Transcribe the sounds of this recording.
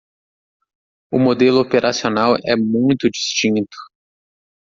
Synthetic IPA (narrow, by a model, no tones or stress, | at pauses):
ʊmod̪elʊopeɾʔasionawɛmũj̃t̪ʊd͡ʒist͡ʃĩnt̪ʊ̥